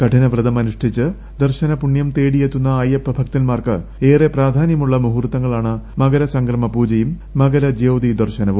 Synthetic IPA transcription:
kɐʈʰinɐʋrɨðɐmɐnuʂʈʰit͡ɕːɨ | d̪ɐrɕɐnɐpuɳjɐmt̪eːɽijet̪ːunːɐːjɐpːɐbʱɐkt̪ɐnmaːrkɨe̞ːrepraːd̪ʱaːnjɐmuɭːɐmuɦurut̪ːɐŋːɐɭaːɳɨmɐɣɐɾɐsɐŋɡrɐmɐpuːd͡ʑɐjumː | ɐɡɐɾɐd͡ʑeːwd̪id̪ɐrɕɐnɐʋum

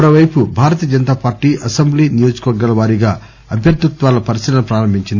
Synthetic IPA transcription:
ɐɾɐʋɐjpubʱaːɾɐt̪iːɐd͡ʒɐnt̪aːpaːɾʈːiːʔɐsɐmbliːnijo̞ːd͡ʒu̥kuʋɐɾɡːɐlɐʋaːɾiɡaː | ɐbʱjɐɾt̪ut̪ʋaːlɐpɐɾisiɾɐnɐpɾaːɾɐmbʱiɲt͡ʃind̪i

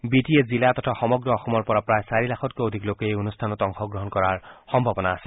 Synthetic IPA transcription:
bitiezilat̪ɔtʰaxɔmɔɡɹɔɔxɔmɔɹpɔɹapɹajsaɹilaxʰɔtkoodʱiklokejonustʰanɔtɔŋxɔɡɹɔɦɔnkɔɹaɹxɔmbʱabɔnaːsɛ̥

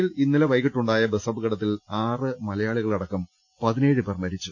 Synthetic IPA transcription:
ilinːilɐʋɐjɣiʈːuɳɖaːjɐbesɐbɨɣɐɽɐt̪̬ːilaːrɨmɐlɐjaːɭiɣɐɭɐɽɐkːɐm | pɐðine̞ːɻɨpermɐɾit͡ɕːu

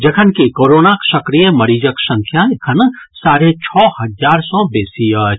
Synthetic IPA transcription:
d͡ʒɐkʰənkikoːɾoːnakʃɐkɾijəmɐɾiːd͡ʒəksɐ̃ŋkʰjakʰənsaːɾet͡ʃʰɔːhɐzaːɾsɔbeːsiə

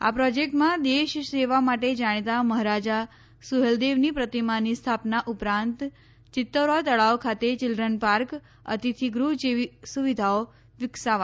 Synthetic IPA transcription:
a̰pɾɔd͡ʒek̚ʈmãd̪eʃseʋamaʈed͡ʒaɽ̃t̪aməɦɾad͡ʒa | suɦeld̪eʋnipɾət̪imanist̪ʰapnaʔʊpɾãnt̪ | t͡ʃɪt̪ːəɾat̪əɭaokʰat̪et͡ʃɪlɾənpaɾk | ə̰t̪it̪ʰiɡɾuɦd͡ʒeʋisuʋid̪ʱao | ʋɪksaʋa

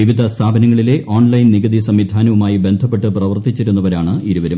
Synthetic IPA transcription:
iʋid̪ʱɐst̪ʰaːbɐnɐŋːɐɭile̞ʔʔoːɳlɐjnniɡɐd̪isɐmʋid̪ʱaːnɐʋumaːjibe̞nd̪ʱɐp̬ːe̞ʈːɨprɐʋɐrt̪it͡ɕːiɾunːɐʋɐɾaːɳɨiɾuʋɐɾum

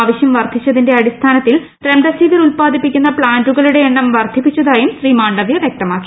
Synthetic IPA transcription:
aːʋɐɕjɐmʋɐrd̪ʱit͡ɕːɐðinde̞ɐɽist̪ʰaːnɐt̪ːil | t̪ɾend̪ɐsiːʋɐɾulpaːd̪ʱipːikʲːun̪ːɐpɭaːnduɣɐɭuɽe̞ːɳːɐmʋɐrd̪ʱipːit͡ɕːɐðaːjumɕriːmaːɳɖɐʋjɐʋjek̚t̪ɐmaːkːi

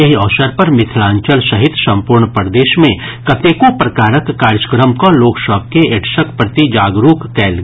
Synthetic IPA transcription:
ɐɦiɔːsəɾpɐɾmɪt̪ʰɪlãːɲt͡ʃəlsɐɦɪt̪sɐ̃mpʊɾɳpəɾd̪eːʃmẽ | kɐt̪eːkopɾɐkaːɾəkːaːɾd͡ʒəkɾəmkoloːksəb̚keeʈʰʃəkpɾət̪id͡ʒaːɡɾuːkːɛːl

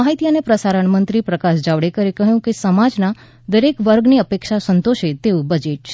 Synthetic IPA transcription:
aɦit̪ijənepɾəsaɾəɳmənt̪ɾipɾəkaʃd͡ʒaʋɽekəɾekəɦjũkesəmad͡ʒna | d̪əɾekʋəɾɡniəpekʃasənt̪oʃet̪eũbəd͡ʒeʈ̚t͡ʃʰe

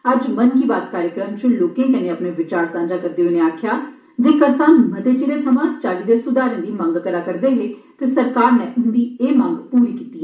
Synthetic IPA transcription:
əd͡ʒmənkiːbaːt̪̚kaːɾjəkɾəmt͡ʃʊloːkẽːkəneːəpneːʋɪt͡ʃaːɾsãːnd͡ʒaːkəɾd̪eːɦoːneːaːkʰjaː | d͡ʒẽːkəɾsãːnmət̪eːt͡ʃiɾeːt̪ʰəmãːst͡ʃaːliːd̪eːsʊd̪aːɾɪ̃nd̪iːmə̃ŋɡkəlaːkəɾd̪eːɦekɪsəɾkaːɾneːʔʊnd̪iːeːmə̃ŋɡpuːɾiːkiːt̪iːɛ

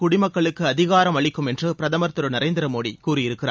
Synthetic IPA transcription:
kʊɽɪmɐkːɐɭɯkːɯɐðɪɣaːɾɐmɐɭɪkːɯmɛndrɯpɪɾɐðɐmɐɾt̪ɯɾɯnɐɾeːnd̪ɪɾɐmoːɽikuːrɪjɪɾɯkːɪɾa̰ː

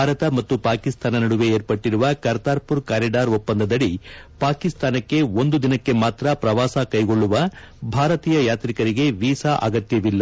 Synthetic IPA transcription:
aːɾɐt̪ɐmɐt̪ːupaːkist̪ʰaːnɐnɐɽuʋe̞eːɾpɐʈːiɾuʋɐkɐɾt̪aːɾpuɾkaːɾiɖaːɾopːɐnd̪ɐd̪ɐɽipaːkist̪ʰaːnɐkːe̞o̞nd̪ud̪inɐkːe̞maːt̪ɾɐpɾɐʋaːsɐkɐjɡo̞ɭːuʋɐ | bʱaːɾɐt̪iːjɐjaːt̪ɾikɐɾiɡe̞ʋiːsaʔɐ̰ɡɐt̪jɐʋilːɐ

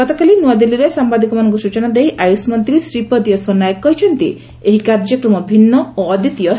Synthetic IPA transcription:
ɡɔt̪ɔkalinuad̪ilːiɾesambad̪ikɔmanɔŋkusut͡ʃɔnad̪ejʔajusmɔnt̪ɾisɾipɔd̪ijɔsonːajkːɔɦit͡ʃʰɔnt̪ḭ | eɦikaɾd͡ʒɔkɾɔmɔbʱinːɔoːd̪ʱit̪ijɔ

